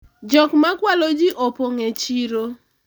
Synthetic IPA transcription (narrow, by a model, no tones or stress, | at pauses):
d͡ʒɔkmakwalod͡ʒiʔopoŋet͡ʃiɾo